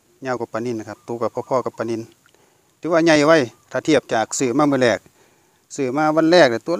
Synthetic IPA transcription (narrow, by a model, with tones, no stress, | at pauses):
ɲaː˧˨wka˧˩pa˧˨ni˧˨n˨kʰa˧t̪u˧˦ka˧˩pʰɔː˧pʰɔː˧˨ka˧˩pːa˨ni˧˥˨n | t̪ʰiː˧˦wa˧ɲa˧˩jwa˧˨jt̪ʰa˧˨t̪ʰi˧˩əp̚t͡ɕaː˨˩k̚sɯː˧˩maː˧mɯː˧˥˨lɛː˧˩k̚ | sɯː˨˩maː˧˥˨wa˧˥˨nlɛː˧˩k̚da˧˨t̪u˧ə˨